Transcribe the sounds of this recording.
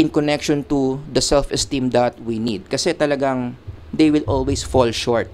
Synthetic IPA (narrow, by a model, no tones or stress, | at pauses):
ɪ̃nkɔnɛkʃɔ̃nt̪ʊd̪ɐsɛlfɛst̪ĩmd̪at̪̚winid̪̚kɐsɛt̪ɐlɐɡaŋ | d̪ejwɪlʔolwejsfɔlʃɔɹt̪̚